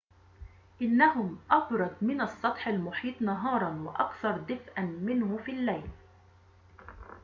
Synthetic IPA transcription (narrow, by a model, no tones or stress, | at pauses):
ʔɪnːaɦʊmʔɑbɾˤɑd̪̚mɪnɑsˤːɑt̪ˤħalmʊħiːt̪ˤnɑɦɑːɾˤɑnwaʔɑkθɑɾˤd̪ɪfʔanmɪnhʊfiːlːajl